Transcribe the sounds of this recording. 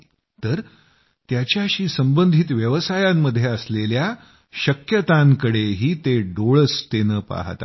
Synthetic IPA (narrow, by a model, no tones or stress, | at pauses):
t̪əɾ | t̪jat͡ɕjaɕiːsəmbənd̪ʱit̪ʋjəʋsajamːəd̪ʱːjeəslelja | ɕəkjət̪aŋkəɽeɦiːt̪eɖoɭəst̪enəːpa̰ɦt̪a̰